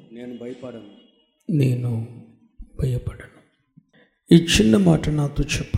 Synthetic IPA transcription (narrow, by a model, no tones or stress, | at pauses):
ɐ | neːnu | bʱɐjɐpɐɽɐɳɐm | it͡ʃʰːinːɐmaːʈɐnaːt̪oːt͡ʃɛpːɐ